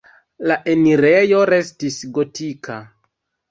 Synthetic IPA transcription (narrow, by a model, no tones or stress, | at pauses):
laʔe̞niɾe̞jo̞ɾe̞stisɡo̞tikʰa